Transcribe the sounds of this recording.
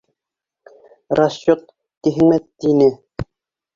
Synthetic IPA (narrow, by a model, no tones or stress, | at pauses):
rʔaɕːot̪̚ː | iɦɘ̆ŋmæt̪inɘ